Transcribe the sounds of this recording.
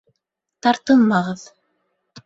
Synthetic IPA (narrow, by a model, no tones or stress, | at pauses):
t̪ɑɾt̪ɤlˠmɑʁɤð